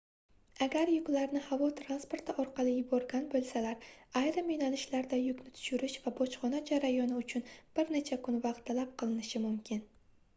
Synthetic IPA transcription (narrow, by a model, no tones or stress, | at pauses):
aɡʲaɾjʊkʲlaɾnɪhavɒt̪ʰɾanspo̞ɾt̪ʰɪʔɒɾqʰɑlˠɪjʊbɒɾɡʲanbolˠsalaɾajɾɪmejnanɪʃlaɾd̪ajʊkʲnɪt̪ʰʊ̥ʃʊɾɪʃvabɒt͡ʃχɒnad͡ʒaɾajɒnɪʊt͡ʃʰʊnb̥ɪɾnet͡ʃʰakʰʊnvɑqt̪ʰːalap̚qɨlˠɪnɪʃɪmʊmkʲʰɪn